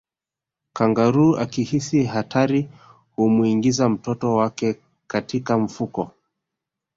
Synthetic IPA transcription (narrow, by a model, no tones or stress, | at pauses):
kaŋɡaɾua̰kihisiɦatʰaɾi | humuiŋɡizam̩tɔtɔwakɛ | katikam̩fukɔ